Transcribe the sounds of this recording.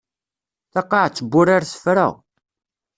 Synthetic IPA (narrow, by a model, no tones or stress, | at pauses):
θɑqːɑʕt͡sːəbːʊɾaɾsə̥fɾa̰